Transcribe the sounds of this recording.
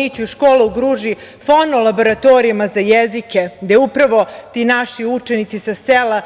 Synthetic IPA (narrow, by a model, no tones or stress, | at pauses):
it͡ɕuʃkoːluuɡɾuːʒi | fonolˠabo̞ɾat̪oɾijamazajezikeɡd̪eupɾaʋo̞t̪inaʃiut͡ʃenit̪sisasela